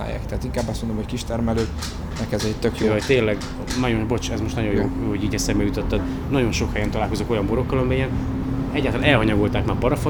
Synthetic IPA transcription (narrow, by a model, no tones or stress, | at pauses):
a̰ːja̰ːkt̪ɛaːt̪iŋkaːbːɒstmond̪omhockiʃt̪ɛɾmɛløː | nɛkɛzɛɛt̪økjoːoct̪eːnlɛɡ | nɒjobo̞t͡ʃɛzmoʃtnɒɟo̞joːhoɟiːɟɛsɛɾbɛjut̪ot̪ːɛd̪ | nɒɟo̞nʃo̞khɛjɛnt̪ɒlaːlko̞zoko̞jɒmboɾo̞kːɒlɒmiijɛn | ɛɟːaːt̪ɒlanɛlɦɒɲɒɡo̞lt̪aːkmaːpɒɾɒfo